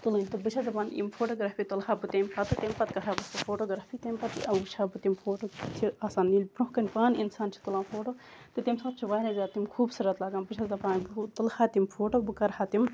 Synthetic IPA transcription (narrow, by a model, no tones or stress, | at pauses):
t̪ulɨnʲt̪ɨbɨt͡ʃʰɐzɐpaːnḭmfoːʈoːɡɾaːfit̪ɐlhaːbɨt̪emʲpɐt̪ɨt̪emʲpɐt̪kɐɦabɐst̪ɐfoːʈoːɡɾaːfit̪emʲpɐt̪ḭʔɐɨt͡ʃʰaːbɨt̪imfʰoːʈoːt͡ʃʰiaːsaːnːilʲpɾũɦkɐnʲpaːninsaːnt͡ʃʰi̥t̪ulãːnfʰoːʈoːt̪ɨt̪imʲsɐb̚t͡ʃʰiʋaːɾʲezʲaːimkʰuːbsɨɾɐt̪laːɡaːnbɨt͡ʃʰɐzɐpaːnbɨt̪ɐlhaːt̪imfʰoːʈoːbɨkɐɾhaːt̪im